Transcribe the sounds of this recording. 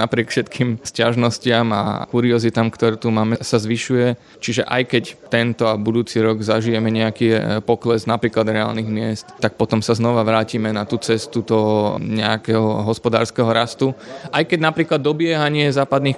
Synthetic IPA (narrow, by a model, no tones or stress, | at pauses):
napɾɪɛkfʃɛt̪kʰiːmscaʒnɔscɪama̰kuɾiɔzit̪aːmkt̪ɔɾut̪umaːmɛsazʋiʃujɛ | t͡ʃiʒɛʔa̰jkɛct̪ɛnt̪ɔabud̪uːt͡siɾɔɡzaʒijɛmɛɲɛakipɔklɛznapɾiːklad̪ɾɛa̰ːlniɣmɪɛst̪t̪ak̚pɔt̪ɔmsaznɔʋaʋɾaːcimɛnat̪uːt͡sɛst̪ut̪ɔɲɛakɛɦɔɦɔspɔd̪a̰ːɾskɛɦɔɾast̪uʔajkɛɟnapɾiːklad̪ːɔbɪɛɦaɲɪɛzaːpad̪nix